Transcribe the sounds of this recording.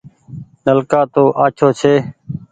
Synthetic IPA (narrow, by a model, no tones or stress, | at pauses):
nəlkaːt̪oːʔaːt͡ʃʰoːt͡ʃʰeː